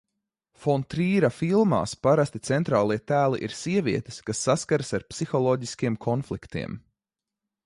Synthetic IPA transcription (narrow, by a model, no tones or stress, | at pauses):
fɔnt̪ɾiːɾafilˠma̰ːspaɾast̪it̪sɛnt̪ɾaːlˠiɛt̪æːlˠiʔiɾsiɛvʲiɛt̪e̥skasːaskaɾasaɾpsixɔlˠɔːɟiskʲiɛmkʰɔnflˠikt̪ḭɛm